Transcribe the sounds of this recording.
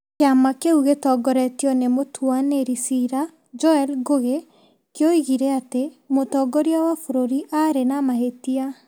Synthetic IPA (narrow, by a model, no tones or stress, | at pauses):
keamakeuɣetɔɡɔɾɛtijɔnemotʰwaneɾisiɾa | d͡ʒɔɛlɡoɣe | kjoiɣiɾɛatemotɔɡɔɾiawafoɾoɾiʔaɾenamaɦetia